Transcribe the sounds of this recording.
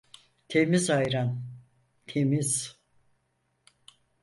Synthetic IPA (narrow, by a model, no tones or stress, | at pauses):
t̪ʰe̞mizajɾan | t̪ʰemiz̥